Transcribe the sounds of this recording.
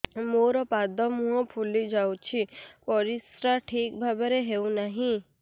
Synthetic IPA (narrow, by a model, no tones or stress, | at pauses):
moɾɔpad̪ɔmũɔ̃pʰulid͡ʒaũt͡ʃʰipɔɾisɾaʈʰiːk̚bʱabaɾeɦeũnaɦĩ